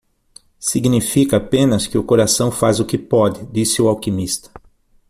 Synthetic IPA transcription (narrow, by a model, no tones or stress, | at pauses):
siɡnifikɐːpẽnɐskɪʊkoɾasɐ̃w̃fazʊkɪpɔd̪ɪd̪isɪʊawkimist̪ɐ̥